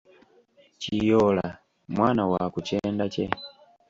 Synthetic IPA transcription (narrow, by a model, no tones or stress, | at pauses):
t͡ʃijɔla | mwanawakut͡ʃɛndat͡ʃɛ